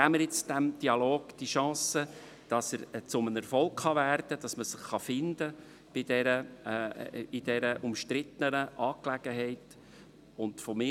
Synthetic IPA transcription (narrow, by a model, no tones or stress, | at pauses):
æməɾjɪt͡sd̥æmd̥iɑloːɡ̥d̥iʃɑ̃ːsə | d̥ɑsəɾt͡sʊmənəɾfɔlˠkχɑværd̥̪əd̥ɑsməsɪχːɑfɪnd̪ə | b̥ɪdɛɾə | id̥ɛɾəʔʊmʃtɾɪtənəʔɑːklæɡ̥əɦɛɪt | ʊndfɔmɪ